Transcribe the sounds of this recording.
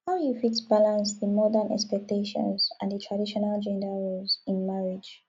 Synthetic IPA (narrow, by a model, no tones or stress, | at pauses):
haʊjufitbalãnsðəmɔdə̃nʔɛ̰kspɛk̚teʃɔ̰̃nzã̰nðətʰɹadiʃɔnald͡ʒɛ̃ndəɹolzɪ̃nmaɹid͡ʒ